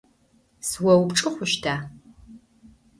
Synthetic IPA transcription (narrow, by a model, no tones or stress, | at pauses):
swɐwpʈ͡ʂʼɨχʷʊʃtʰaː